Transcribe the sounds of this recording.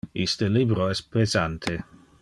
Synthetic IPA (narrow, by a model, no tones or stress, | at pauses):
ḭst̪əlibɾoɛspezant̪ʰe